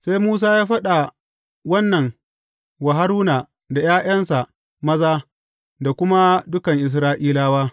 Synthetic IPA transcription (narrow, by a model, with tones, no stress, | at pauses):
se˦jmuː˦s̬aː˦jaː˦ɸɐ˦ɗa˨ | wɐ˦nːɐ˨ŋ | wa˨ɦa˦ɾuː˦na˨ | da˨jaː˦j̰ɐ˦nsa˨ʔ | mɐ˦zaː˦ | da˨kʷʊ˦ma˦dʊ˦kɐ˨ŋʔɪ˨s̬ɾaː˦ʔiː˦laː˦waː˦